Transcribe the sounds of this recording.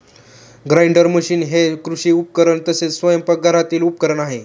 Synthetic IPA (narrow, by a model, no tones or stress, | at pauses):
ɡɾajɳɖəɾməɕiːnɦekɾuɕiːupkəɾəɳt̪əset͡ssʋəjəmpək̚ɡʱəɾat̪iːlup̚kəɾəɳaɦe